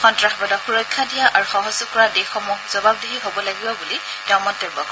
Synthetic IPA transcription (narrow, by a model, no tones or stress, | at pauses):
xɔntɹaxbadɔxuɹɔjkʰːadijaʔaɹuxɔɦɔzʊkɔɹadexɔmukz̥ɔbab̚dɔɦiɦobɔlaɡibɔbuli | tɛʊ̃mɔntɔɹbɔ̰